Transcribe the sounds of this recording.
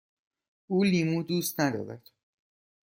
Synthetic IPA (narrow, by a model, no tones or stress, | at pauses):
ʔuːliːmud̪uːst̪næd̪ɒ̰ːɾæd̪̥